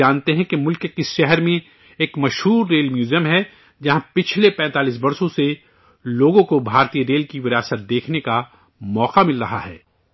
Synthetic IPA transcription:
aːnt̪eɦɛ̃kemʊlkkɪsʃɛɦɛɾmẽ | eːkmɐʃɦuːɾːeːlmjuːzijəmɦɛ | d͡ʒɐɦãpɪt͡ʃʰlepɛ̃ːt̪aːlis̬bɐɾsõse | loːɡõkobʱaːɾt̪ijəɾeːlkiʋɪɾjaːsət̪̚d̪eːkʰneka | mɔːqamɪlɾɐɦa̰ɦɛ̰ː

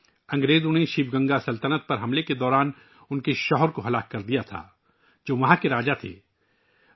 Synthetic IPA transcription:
ɐ̃ŋɡɾeːzoneʃibɡɐ̃ŋɡasɐlt̪ənət̪̚pɐɾɦɐmleked̪ɔːɾaːn | ʊnkeʃɔːɦɔɾkoɦɐlaːkːɐɾd̪ijat̪ʰa̰ː | d͡ʒoːʋɐɦãkeɾaːd͡ʒat̪ʰḛː

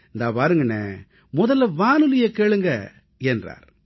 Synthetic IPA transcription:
ɪnd̪aːpaːɾɯŋɡɐnːeː | mɔðɐlʋaːnɯlɪjɐkeːɭɯŋɡɐ | ɛndra̰ːɾ

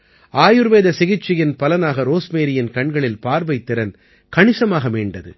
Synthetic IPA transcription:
aːjɯɾʋeːðɐsɪɣɪt͡ʃːɪjɪnpɐlɐnaːɣɐɾoːsmeːɾɪjɪnkɐɳɡɐɭɪlpaːɾʋɐɪt̪ːɪɾɐn | kɐɳɪsɐmaːɣɐmeːɳɖɐðɯ̰

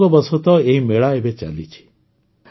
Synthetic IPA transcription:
lɔbəsot̪ɔeimeɭaebet͡ʃa̰lit͡ʃʰi̥

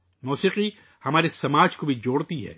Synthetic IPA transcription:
muːsiːqi | hɐmaːɾesɐmaːd͡ʒkobʱid͡ʒoːɽt̪iɦɛ̰ː

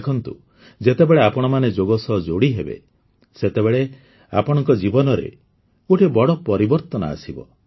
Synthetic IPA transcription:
kʰɔnt̪ṵ | d͡ʒet̪ebeɭeapɔɽ̃ɔmaned͡ʒoɡɔsɔd͡ʒoɽiɦebḛ | set̪eβeɭe | a̰pɔɽɔŋkɔd͡ʒibɔnɔɾḛ | oʈʰebɔɽɔpɔɾibɔɾt̪ɔnɔ̰a̰sibɔ̰

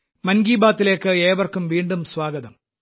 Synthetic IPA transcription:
mɐnɡiːbaːt̪ːile̞ːkːɨe̞ːʋɐrkumʋiːɳɖumswaːɡɐðɐm

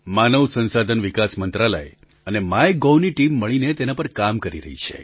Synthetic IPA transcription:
manəʋsənsad̪ʱənʋikasmənt̪ɾalə̰e | ənemajɡoʋniʈimːəɭinet̪enapəɾkamkəɾḭɾə̰ɦit͡ʃʰḛ

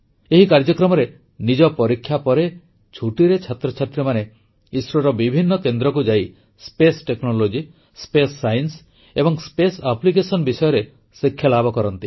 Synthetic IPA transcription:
eɦikaɾd͡ʒɔkɾɔmɔɾe | nid͡ʒɔpɔɾikʰːjapɔɾe | t͡ʃʰuʈiɾet͡ʃʰat̪ɾɔt͡ʃʰat̪ɾemane | isɾɔɾɔbibʱinːɔkend̪ɾɔkud͡ʒai | spesʈeknɔlod͡ʒi | spesːajns | ebɔŋspesaplikesɔnbisɔjɔɾe | sekʰːjalabʱɔkɔɾɔnt̪i

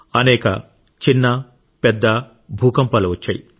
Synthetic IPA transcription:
ɐnɛːkɐ̰ | t͡ʃinːɐ | pɛd̪ːɐ | bʱuːkɐmpɐluʋɐt͡ʃːɐ̰ːji

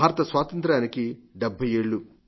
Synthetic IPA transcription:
aːɾɐt̪ɐsʋaːt̪ɐnt̪ɾaːnikiɖɛbʱːɐje̞ːɭːu

